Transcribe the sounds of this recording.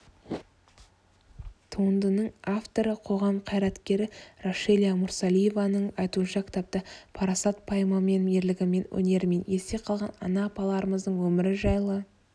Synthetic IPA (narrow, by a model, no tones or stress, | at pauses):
t̪ʰuənd̪ənəɴaft̪o̞ɾəqʰo̞ʁɑmqʰɑjɾɑt̪kʲe̞ɾɪroʃelʲijamʊɾsalʲˠije̞vanəɴɑjt̪uənʃɑkʲʰɪ̥t̪ʰap̚t̪əpʰɑɾɑsɑt̪̚pʰɑjmame̞neɾlɪɡʲɪme̞nwɵ̰ne̞ɾme̞ne̞se̞qʰɑlˠʁɑnɑ̰nɑːpɑlˠɑɾəməzd̪əɴwɵmɪɾɪʒɑjlˠə